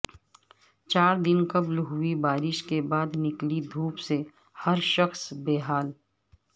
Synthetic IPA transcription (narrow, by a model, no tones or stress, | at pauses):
t͡ʃaːɾd̪ɪnkɐblɦʊibaːɾɪʃkebaːd̪nɪklid̪ʱuːpse | hɐɾʃəxsbeːɦaːl